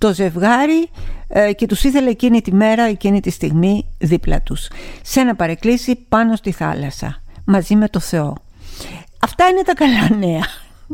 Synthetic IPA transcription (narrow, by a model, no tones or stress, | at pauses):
t̪o̞ze̞vɣɐɾi | ce̞t̪usiθe̞lɐecinit̪ime̞ɾɐecinit̪ist̪iɣmiðiplɐ̰t̪usse̞nɐpɐɾe̞klisipɐno̞st̪iθɐ̰lɐsɐ̰mɐzime̞t̪o̞θe̞o̞ | ɐft̪ɐine̞t̪ɐkɐlɐne̞ɐ